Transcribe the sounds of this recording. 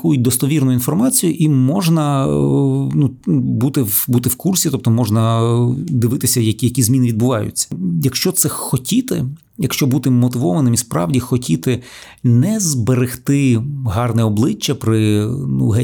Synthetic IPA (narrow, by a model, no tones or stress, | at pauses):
kujʊt̚ʲd̪ɔst̪ɔʋʲirnʊjinfɔrmɑt͡sʲijʊʔimɔʒnɐ | nubut̪ɪwbut̪ɪwkursʲit̪ɔp̚t̪ɔmɔʒnɐ | d̪ɪʋɪt̪ɪsʲɐjɐkʲjɐkʲizmʲinɪʋʲid̪̚bʊʋɑjʊ̰t͡sʲːɐ̥jɐkʃt͡ʃɔt̪sɛxɔtʲit̪ɪ | jɐkʃt͡ʃɔbut̪ɪmɔt̪ɪʋɔʋɐnɪmispɾɑ̰ʋdʲixɔtʲit̪ɪ | nɛzbeɾɪxt̪ɪɦɑrnɛɔblˠɪt͡ʃːɐpɾɪnṵɦɛ